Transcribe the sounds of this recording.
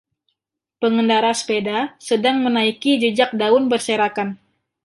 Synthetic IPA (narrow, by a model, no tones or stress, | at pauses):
pəŋəndaɾaspedasədaŋmənaikid͡ʒəd͡ʒak̚daʊnbərseɾakan